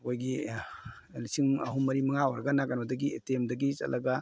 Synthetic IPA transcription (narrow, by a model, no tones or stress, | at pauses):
ojɡi | lisiŋɐɦumːɐɾimɐŋawaɾɡanaɡanadɐɡietemdɐɡit͡ʃɐ̰lʔɐɡa